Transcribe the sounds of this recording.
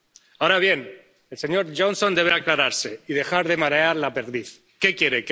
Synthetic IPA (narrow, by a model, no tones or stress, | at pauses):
aoɾaβje̞n | else̞ɲo̞ɾʒonso̞nd̪e̞β̞eaklaɾaɾse̞iðe̞xaɾðe̞maɾeaɾlapeɾðiθ | ke̞kje̞ɾek